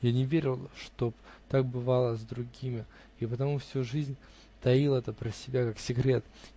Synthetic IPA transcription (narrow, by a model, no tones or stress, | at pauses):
janʲɪvʲeɾʲɪlˠʂt̪o̞bt̪ak̚bɨvalˠəzd̪ɾʊɡʲimʲɪ | ipət̪ɐmufsʲuʐɨzʲnʲ | t̪ɐilˠɛt̪əpɾəsʲɪbʲakaksʲɪɡɾʲe̞t̪